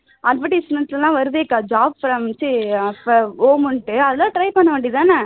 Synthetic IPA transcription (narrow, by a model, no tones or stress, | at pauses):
ʔɐlpɐʈːisnɐnslɐlãːʋɐɾɯðeːkːad͡ʒaːb̚fɾɐmt͡ʃifoːmʊɳʈːɯɐðɪlãːʈɾɐɪpɐɳːɐʋɐ̃ɳɖit̪ãːnɐ